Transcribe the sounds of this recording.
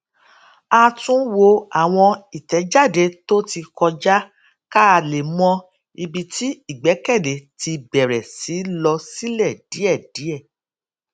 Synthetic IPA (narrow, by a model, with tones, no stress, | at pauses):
a˧tũ˦wo˧a˨w̃ɔ̃˧i˨tɛ˨˦d͡ʒa˦˨de˨˦to˦ti˧kɔ˧d͡ʒa˦ | ka˦a˧˨le˨mɔ̃˧ | i˧bi˧ti˦i˦˨ɡ͡bɛ˨˦kɛ˦˨de˨˦ti˧bɛ˨ɾɛ˨si˨˦lɔ˧si˦lɛ˦˨d̥i˨˦ɛ˦˨d̥i˨˦ɛ˦˨